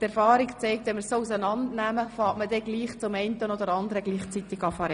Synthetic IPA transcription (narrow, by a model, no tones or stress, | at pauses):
tɛɾfɑːɾikt͡sɛɪk̚tʋɛnməɾsousənɑndnæməfɑːtmədɛɡliːχt͡sʊmɛɪntənod̪əɾɑnd̪əɾəɡliːχt͡sit̪ɪɡɑfɑɾɛ